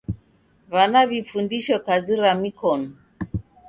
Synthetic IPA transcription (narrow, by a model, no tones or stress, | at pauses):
βanaβifundiʃɔkaziɾamikɔnɔ